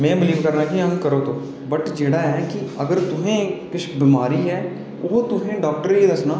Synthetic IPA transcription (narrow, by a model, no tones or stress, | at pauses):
mɛ̃ːbɪliːʋkəɾnaːkiə̃ŋɡkəɾoːt̪oː | bəʈd͡ʒeːɽaːɛːkɪəɡəɾt̪ʊɦẽːkɪʃbɪmaːɾiːɛː | oːt̪ʊɦẽːɖɔːk̚ʈəɾiːd̪əsnaː